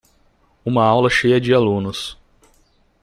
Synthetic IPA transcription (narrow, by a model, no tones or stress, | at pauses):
ũmɐawlɐʃejɐd͡ʒɪalũnʊs